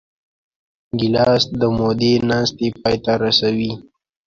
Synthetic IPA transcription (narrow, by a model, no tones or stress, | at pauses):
ɡɪlɑsd̪əmod̪enɑst̪epɑjt̪aɾasawi